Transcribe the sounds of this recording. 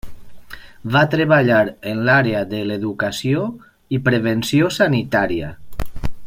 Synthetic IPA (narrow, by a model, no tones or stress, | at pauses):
βat̪ɾeβaʎaɾənlaɾeəðəleðukasio | ipɾeβensiosanit̪aɾiə̰